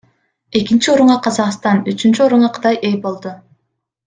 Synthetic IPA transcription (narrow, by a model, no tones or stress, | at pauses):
e̞kint͡ʃio̞ɾuɴɑqʰɑzɑqst̪ɑnyt͡ʃynt͡ʃyo̞ɾuɴɑqʰɯ̥d̪ɑjʔe̞jbo̞lˠd̪u